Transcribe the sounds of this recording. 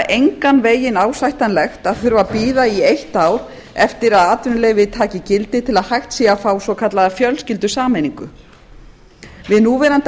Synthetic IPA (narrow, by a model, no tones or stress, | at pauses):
ʔejŋkanveːjɪnaːwsajht̪anlɛxt̪aðθʏɾvapiːðaiejht̪aːwɾ̥ | ɛft̪ɪɾaðaːt̪ʏnlɛːɣvɪt̪ʰaːcɪcɪlt̪ɪt̪ʰɪlaðhajxt̪siːafaːwsvɔkʰat̪laðafjœlscɪlt̪̬ʏsaːmejniŋkʏ | vɪðnuvɛːɾant̪